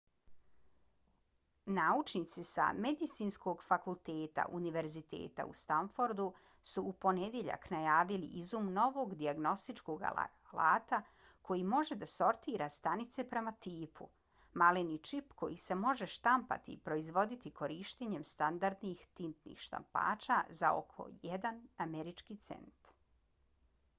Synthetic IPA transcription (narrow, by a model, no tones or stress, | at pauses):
naut͡ʃnit̪sisa̰med̪it̪siːnsko̞ɡfakulˠt̪eːt̪a̰ʔuniʋe̞ɾzit̪e̞̰ːt̪a̰ṵst̪aɱfoɾd̪u | suːpo̞ned̪jeʎa̰knajaːʋiliʔizuːmno̞ʋo̞ɡd̪iaɡno̞st̪it͡ʃko̞ɡa̰ | la̰ːt̪a | kʰo̞jimo̞ʒe̞d̪aso̞ɾt̪iːɾast̪anit̪se̞pɾe̞mat̪iːpʰṵ | malenit͡ʃipko̞jise̞mo̞ʒe̞ʃt̪ampa̰t̪ḭpɾo̞izʋo̞d̪it̪ikʰo̞ɾiːʃt̪eɲe̞mst̪and̪aɾd̪nixt̪int̪nḭxʃt̪a̰mpa̰ːt͡ʃazao̞̰kʰo̞̰jed̪anameɾit͡ʃkit̪sḛnt̪